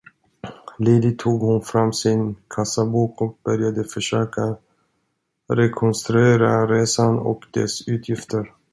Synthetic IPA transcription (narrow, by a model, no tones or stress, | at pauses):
leːd̪ɪt̪ʰːuːɡhʊnfɾamːsɪnkʰasːabuːkɔk̚bœɾjad̪əfœʂøːka | ɾɛkʰɔnst̪ɾɵeːɾaɾeːsanɔ̰kd̪̥ɛ̰sʉ̟ːt̪ʰjɪft̪əɾ